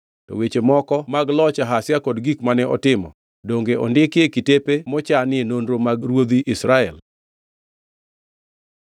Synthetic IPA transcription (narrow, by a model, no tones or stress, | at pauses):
tɔ̰wet͡ʃemɔkɔmaɡlɔt͡ʃaɦasjakɔdɡikmanɛɔtɪmɔ̰ | doŋɡeʔɔ̰ndɪkekitepemɔt͡ʃanɪenondɾomaɡɾwod̪iʔɪsɾaɛl